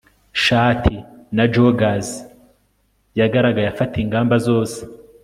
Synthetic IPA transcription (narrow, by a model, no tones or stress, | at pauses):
ʃaːtʰinad͡ʒoɡaz | jaɡaɾaɡajafatiːŋɡaːmbazo̞ːse̥